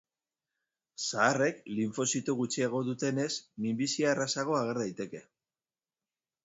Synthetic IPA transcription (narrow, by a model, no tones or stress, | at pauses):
saːre̞kliɱfo̞sit̪uɣut͡ʃieɣ̞o̞ðut̪e̞ne̞smimbisiarasaɣ̞o̞aɣ̞e̞ɾðajt̪e̞ke̞